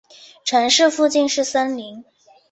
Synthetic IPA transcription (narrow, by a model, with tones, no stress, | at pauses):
ʈ͡ʂʰɤ˧˥ŋʂɻ̩˥˧fu˥˧t͡ɕi˥˧nʂɻ̩˥˩sa˥nli˧˥ŋ